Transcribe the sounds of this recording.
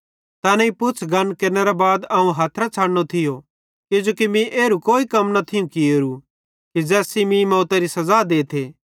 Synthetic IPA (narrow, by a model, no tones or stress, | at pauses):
t̪ɐːnɛipʊtːt͡sʰɡɐnkɐɾnɛɾabaːd̪ɐũɦaːt̪ʰɾat͡ʃʰaːɽñot̪ʰɪjo | kɪd͡ʒoːkimĩʔeːɾukoːikɐmnɐt̪ʰɪjũkieːɾu | kid͡ʒɛːsimĩmɔːt̪aɾisɐzaːd̪eːt̪ʰeː